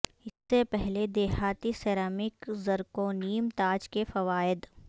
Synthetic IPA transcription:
ɪsːepɛɦled̪eːɦaːt̪iseːɾaːmɪkzɐɾkoniːmt̪aːd͡ʒkefɐʋaːɪd̪

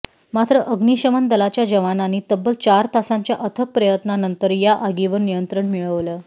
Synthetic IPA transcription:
mat̪ɾəʔəɡniɕəmənd̪əlat͡ɕjad͡ʑəʋananiːt̪əbːəlt͡ɕaɾt̪asãɲt͡ɕjaʔət̪ʰək̚pɾəjət̪nanənt̪əɾjaʔaɡiʋənnijənt̪ɾəɳmiɭəʋləː

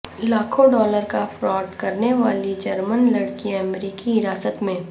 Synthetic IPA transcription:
laːkʰõɖɔːləɾkafɾɔːʈkɐɾneʋaːlid͡ʒɐɾmənlɐɽkiɐmɾiːkiɪɾaːsət̪mẽː

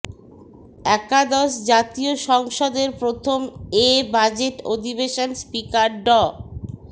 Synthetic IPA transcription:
ɛkad̪ɔʃ̬d͡ʑat̪ioʃɔŋʃod̪eɾpɾot̪ʰomebad͡ʑeʈod̪ʱibeʃonspikaɾɖɔ

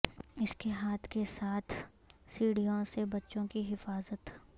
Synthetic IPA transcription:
ɪskeɦaːt̪ʰkesaːt̪ʰ | siːɽijõsebɐtːʃõkiɦɪfaːzət̪

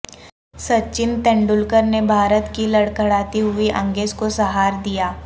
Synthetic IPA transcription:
sɐt͡ʃɪnt̪ɛ̃ːɳɖʊlkəɾnebʱaːɾət̪kilɐɽkɐɽaːt̪iɦʊiʔɐ̃ŋɡeːzkosɐɦaːɾd̪ijaː

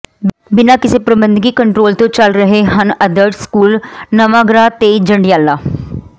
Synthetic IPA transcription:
bɪnaːkɪseːpɾəbə̃nd̪ɡiːkəɳʈɾoːlt̪õːt͡ʃəlɾəɦeɦənəd̪əʈskuːlnəʋaːɡɾaːt̪eːd͡ʒəɳɖɪjaːlːaː

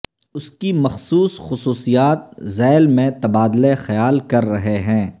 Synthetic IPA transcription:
ʊskimɐxsuːsxʊsuːsijaːt̪̚zɛːlmẽt̪ɐbaːd̪lexɐjaːlkɐɾːɐɦeɦɛ̃ː

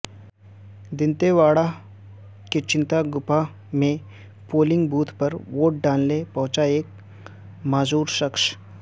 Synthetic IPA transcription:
d̪ɪnt̪eʋaːɽa | ket͡ʃɪ̃nt̪aɡʊpa | mẽ | poːlɪ̃ŋɡbuːt̪ʰpɐɾʋoːʈ̚ɖaːnlepɐ̃ɦʊ̃t͡ʃaeːk̚ | maːzuːɾʃɐkʃ

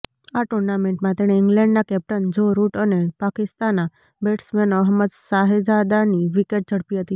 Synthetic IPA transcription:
aʈuɾnamẽɳʈmãt̪eɽ̃eɪŋɡlɛ̃ɳɖnakɛp̚ʈənd͡ʒoɾuʈənepakist̪ana | beʈsmenəɦməd̪saɦed͡ʒad̪aniʋikeʈ̚d͡ʒəɽpiɦət̪iː

